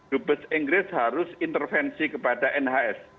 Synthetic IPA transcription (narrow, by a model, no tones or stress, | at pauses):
d̥ubəsiŋɡɾɪshaɾʊsint̪ərfɛnsikəpadaʔɛnɦaɛs